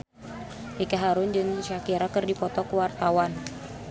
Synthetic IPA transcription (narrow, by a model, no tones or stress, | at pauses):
ʔikaɦaɾʊnd͡ʒɨŋʃakiɾakɨrdipɔt̪ɔkuwart̪awan